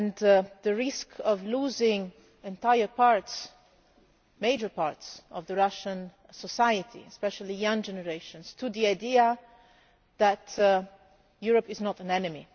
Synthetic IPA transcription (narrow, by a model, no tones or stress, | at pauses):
nðəɹɪskʰɔvluzɪ̃ŋ | ɛ̃nt̪aɪə˞paɹts | meɪd͡ʒə˞paɹtsɔvðəɹaʃə̃n | sɔsajət̪ʰḭɛspɛʃəlijʌ̃ŋd͡ʒɛnəɹeɪʃə̃nstuðiaɪdiə | ðæt | juɹəpɪznɔtə̃nɛnɨmḭ